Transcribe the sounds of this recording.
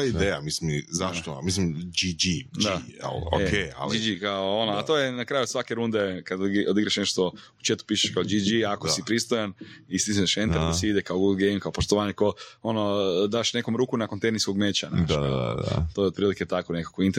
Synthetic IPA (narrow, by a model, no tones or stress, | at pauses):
ojeid̪ejamislimizaʃt̪omis̬limd͡ʒid͡ʒid̪aiɛ̰lo̰keja̰d͡ʒd͡ʒid͡ʒikaoonoat̪ojenakɾaːjusʋakeɾund̪ekad̪od̪iɡɾaʃneʃt̪o | u̥t͡ʃet̪u̥piːʃe̥ʃkaod͡ʒid͡ʒiakoipɾist̪ojanisizneʃend̪aɾɾd̪asiid̪ekaoɡuɡlɡejmkaopoʃt̪oʋaːɲekoo̞nod̪aːʃne̞komɾuːkunakont̪ejniskoɡmeːt͡ʃanad̪aa̰a̰t̪oːjopɾiːliket̪akonekḁkoint̪e